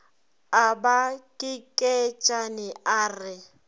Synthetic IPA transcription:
abakʼɪkʼɛt͡ʃʼanɪaːrɪ

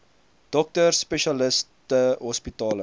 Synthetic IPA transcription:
d̥ɔk̚tərspeʃɐləstəɦɔspitɑːlə

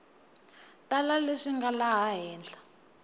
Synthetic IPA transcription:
tʼalaleʂiŋɡalaɦaɦɛːnd͡ɮʱḁ

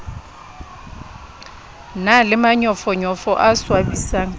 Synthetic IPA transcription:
nalɪmaɲɔfɔɲɔfɔʔaswabisaːŋ̩

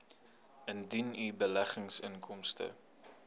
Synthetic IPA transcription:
əndinybəlæχəŋsəŋkʰɔmstə̰

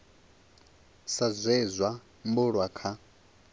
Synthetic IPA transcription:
sazʷɛzʷwa | mbʊɺwakʰa

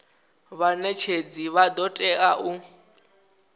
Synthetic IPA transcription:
βanɛt͡ʃʰed͡ziβad̪ɔtʼɛaʔu

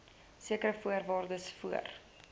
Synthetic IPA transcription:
siəkəɾəfuərvɑːrdəsfuə̰r

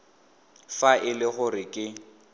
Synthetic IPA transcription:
faʔɪlɪɣʊrɪkʼɪ

